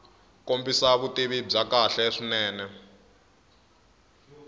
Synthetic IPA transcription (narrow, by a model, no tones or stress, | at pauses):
kombisaβutiβib͡ʐakaɬɛʂinɛːnɛ